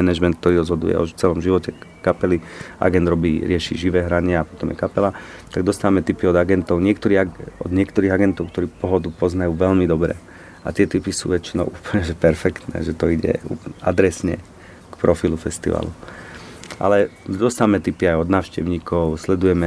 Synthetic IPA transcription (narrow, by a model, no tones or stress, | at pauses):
ɛnɛʒmɛnt̪kt̪ɔɾiːɾɔzɦɔd̪ṵjɛ̰ɔ̰t͡sɛlɔmʒiʋɔcɛkapɛliʔa̰ɡɛnd̪ɾɔbiːɾɪɛʃḭʒiʋɛːɦɾaɲɪɛapɔt̪ɔmjɛkapɛlat̪aɡ̚d̪ɔst̪aːʋmɛt̪ipiɔd̪aɡɛnt̪ɔʊɲɪɛkt̪ɔɾiːaɔd̪ɲɪɛkt̪ɔɾiːɣaɡɛnt̪ɔʊk̚t̪ɔɾiːpɔɦɔd̪upɔznajuːʋɛlmid̪ɔbɾɛ̰ | a̰t̪ɪɛt̪ipisṵːʋɛt͡ʃinɔʊʔuːpəl̩ɲɛʒɛpɛɾfɛkt̪nɛ̰ːʒɛt̪ɔiɟɛ̰ṵːpad̪ɾɛsɲɛ̰ | kpɾɔfilufɛst̪ḭʋa̰lṵ | ʔa̰lɛd̪ɔst̪aːʋmɛt̪ipiajɔd̪naːʊʃcɛʊɲiːkɔʊslɛd̪ujɛmɛ